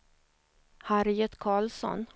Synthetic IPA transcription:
haɾɪjət̪kʰɑːlsɔ̰n

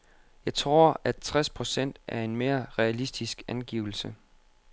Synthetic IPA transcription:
jɑ̈ɪt͡sʰʁo̝ɐ̰æt͡sʰʁaspʰʁo̝sen̰d̥æɐe̝nme̝ːɐʁɛælisd̥isɡ̥ænɡ̥iːʊl̩sə

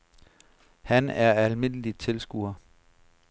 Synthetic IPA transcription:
hænæɐælme̝n̰əlit͡sʰe̝lsɡ̥ṵːɐ

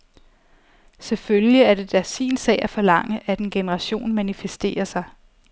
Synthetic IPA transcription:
seføljiæɐɾ̥e̝d̥æsḭːnsɛ̰ɪæɐfɒ̽lɑ̈ŋ̰əʔæd̥enɡ̥e̝nəʁɑ̈ɕo̝̰ːnmænifesd̥e̝̰ːɐsɑ̈ɪ

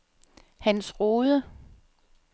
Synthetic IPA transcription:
hænsʁoːðˠə

